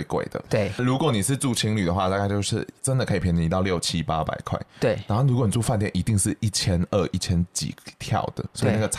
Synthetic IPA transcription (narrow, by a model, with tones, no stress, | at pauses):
kwḛ˨˩ɪd̪ə̰˩˥˩lu˧˥kwɔ˨˦ni˨˩ʂɻ̩˥˧ʈ͡ʂu˥˩t͡ɕʰi˧˥ŋly˨˩d̪ə˩xwa˥˧t̪a˥˧ka˥˧ɪt͡ɕo˥˧ʊʂɻ̩˥˩ʈ͡ʂə˦nd̪ə˨kʰə˧˥i˨pʰjn˧˩i˧t̪ɑ˥˧ljo˥˨˩ʊt͡ɕʰi˦pa˦pa̰˨˩ɪkʰwa̰˥˩ɪt̪we˥˩na˧˦˥xo˥˩ʊlɻu˧˥kwɔ˦ni˨˩t͡su˥˩fa˥˧nt̪jɛ˥˨˩nʔi˧˥t̪i˥˧ŋʂɻ̩˥˨i˥˩t͡ɕʰjɛ˥nə˥˧˩ʔi˥˩t͡ɕʰjɛ˥nt͡ɕḭ˨˩˦t̪ʰjɑ̰˥˩ʊd̪̥ə̰˨swi˨na˥˩ɡə˩